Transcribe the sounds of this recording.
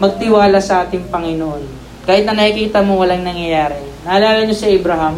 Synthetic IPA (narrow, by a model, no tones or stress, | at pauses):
mɐɡ̚t̪ɪwaːlɐsɐʔaːt̪ɪŋpɐŋɪnoʔon | kaːhɪt̪nɐnɐʔikiːt̪ɐmowɐlaŋnɐŋjɐjaːɾɛnɐʔɐlaːlɐɲosɐʔɐbɾɐɦam